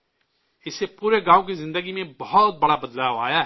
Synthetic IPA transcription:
ɪsepuːɾeɡaːukizɪ̃nd̪əɡimẽbɔɦɔt̪̚bɐɽabɐd̪laːʋa̰ːja

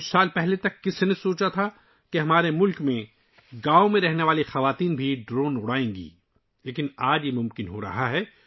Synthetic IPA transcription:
ʊt͡ʃsaːlpɛɦlet̪ɐkːɪsnẽsoːt͡ʃat̪ʰa | keɦɐmaːɾemʊlkmẽ | ɡaːõmẽɾɛɦneʋaːlixɐʋaːt̪iːnbʱiɖɾoːnʊɽaːẽːŋɡḭː | leːkɪnaːd͡ʒjemʊ̃mkɪnɦoɾɐ̰ɦaɦɛː

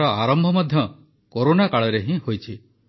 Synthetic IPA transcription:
ɔaɾɔmbʱɔmɔd̪ʱjɔ | koɾonakaɭɔɾeɦĩhojt͡ʃʰi

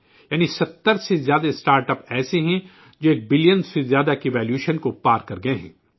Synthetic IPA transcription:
jaːnisɐt̪ːəɾsezjaːd̪asʈaːɾʈəpɛːseɦɛ̃ | d͡ʒoːeːk̚bɪlijənsezjaːd̪akiʋɛːljuːʃənkopaːɾkɐɾɡɐeɦɛ̰̃ː

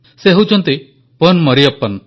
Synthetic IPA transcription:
seɦewt͡ʃʰɔnt̪i | pənmɔɾiɔpːən

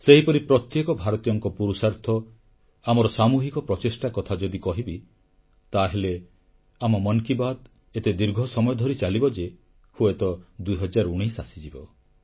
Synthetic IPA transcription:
seɦipɔɾipɾɔt̪jekɔbʱaɾɔt̪ijɔŋkɔpuɾusaɾt̪ʰɔ | amɔɾɔsamuɦikɔpɾɔt͡ʃesʈakɔt̪ʰad͡ʒɔd̪ikɔɦibi | t̪aɦele | amɔmɔnkibad̪ | et̪ed̪iɾɡʱɔsɔmɔjɔd̪ʱɔɾit͡ʃalibɔd͡ʒe | hoet̪ɔd̪uiɦɔd͡ʒaɾuɽ̃ijsasid͡ʒibɔ

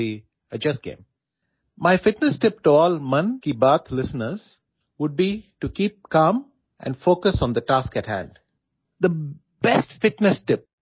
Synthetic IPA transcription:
i | əd͡ʒʌsɡḛ̃ːm | maɪfɪʈnəsʈɪp̚ʈuɔːlmʌ̃nkibəːt̪ʰlɪsənəɾz̥ | ʋʊɖ̚biʈukiːp̚kãːm | ʔɛ̰̃ɳɖfoːkəsɔ̃ːnd̪əʈaːskæʈhæ̰̃ɳɖ | d̪ə | b̥ɛsʈfɪʈnɛsʈɪp̚

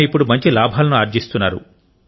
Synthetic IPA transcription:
ipːuɽumɐɲt͡ʃilaːbʱaːlɐnuaːɾd͡ʒist̪unːa̰ːɾṵ

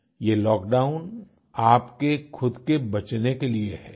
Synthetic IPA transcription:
jeːlɔːkɖaːʊn | aːpkexʰʊd̪kebɐt͡ʃnekelieɦɛː

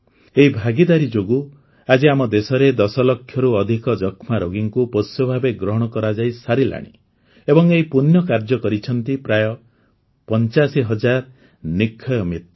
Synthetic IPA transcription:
eibʱaɡid̪aɾid͡ʒoɡu | ad͡ʒiamɔd̪esɔɾed̪ɔsɔlɔkʰːjɔɾuɔd̪ʱikɔd͡ʒɔkʰmaɾoɡiŋkuposjɔbʱabeɡɾɔɦɔɽ̃ɔkɔɾad͡ʒajsaɾila̰ɽ̃ḭ | ebɔŋeɦipunjɔkaɾd͡ʒɔkɔɾit͡ʃʰɔnt̪ipɾajɔ | pɔnt͡ʃasiɦɔd͡ʒaɾ | nikʰːɔjɔmit̪̚

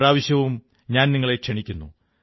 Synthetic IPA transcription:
ɾaːʋɐɕjɐʋum | ɲaːnniŋːɐɭekʂeɳikʲːunːṵ

